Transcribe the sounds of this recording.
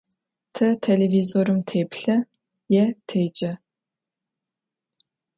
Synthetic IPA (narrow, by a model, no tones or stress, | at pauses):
tʰɐtʰelevizoɾɨmtʰeːpɬɐ | jɛtʰeːt͡ʃʼɐ